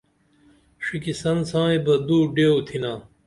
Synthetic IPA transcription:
ʂikisɐnsãːebɐd̪uːɖeːwt̪ʰinaː

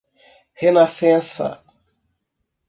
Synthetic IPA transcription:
henasẽnsa̰

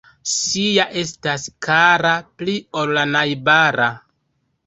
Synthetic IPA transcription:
sijaʔe̞staskʰaɾaplio̞lːanajbaɾa

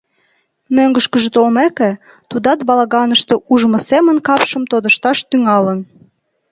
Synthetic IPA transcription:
møŋɡə̆ʃkəʒĕt̪olmækĕ | t̪ud̪ɑt̪̚bɑlɑɣɑnəʃt̪eʔuʒmŏsemə̆nkɑpʃə̆mt̪od̪əʃt̪ɑʃt̪yŋɑlə̆n

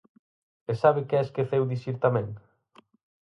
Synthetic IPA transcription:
esaβɪkɛeskeθewðisiɾt̪amẽŋ

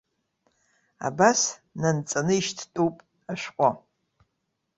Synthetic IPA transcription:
a̰basnant͡sʼanɨiʃtʰtʼupʼ | aʃʷᶣqʷʼa

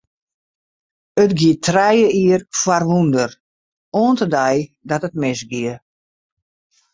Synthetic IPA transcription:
ətɡiətʰrɛjəiərfwarʋundər | oːəntədɛjdɔtət̚mɪsɡiə

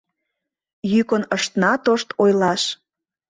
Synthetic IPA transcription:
jykənəʃt̪nɑt̪oʃt̪ojlɑʃ

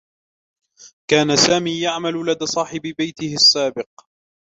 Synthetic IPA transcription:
kaːnasaːmiːjaʕmallad̪aːsˤɑːħɪbɪbajt̪ɪhɪsːaːbɪq̚

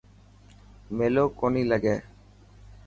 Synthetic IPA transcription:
melokoniləɡɛ

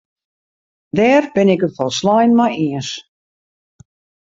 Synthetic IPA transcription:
dɛːrbɪnɪkətfɔlˠslajnmajiəns

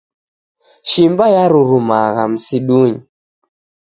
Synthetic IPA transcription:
ʃimbajaɾuɾumaɣam̩siɗuɲi

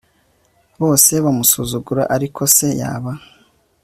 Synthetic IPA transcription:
βo̞ːse̞βamusuzuɡuɾa̰ʔaɾikʰo̞se̞ja̰ːβa

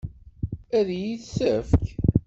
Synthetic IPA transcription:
æðjiðsəfk

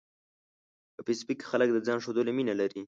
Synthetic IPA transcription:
pəpispikxalək̚d̪əd͡zɑnʂod̪əleminalaɾi

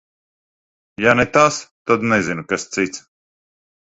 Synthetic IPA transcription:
janɛt̪ast̪ad̪nɛzinukast̪sit̪s

